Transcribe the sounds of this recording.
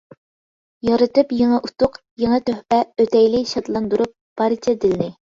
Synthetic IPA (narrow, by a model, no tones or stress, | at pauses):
jɑɾɨt̪ɨpjeŋəʔut̪ʊq | jeŋɨt̪øhpɛøt̪ʰɛjlɪʃɑt̪lˠɑnd̪uɾup̚b̥ɑɾɨt͡ʃʰɛd̪ɪlnɪ